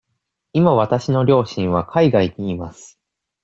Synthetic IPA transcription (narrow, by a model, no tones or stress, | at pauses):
imaβat̪aɕino̞ɾʲo̞ːɕĩɰ̃β̞akʰaiɡaiɲ̟iːmasɨ̥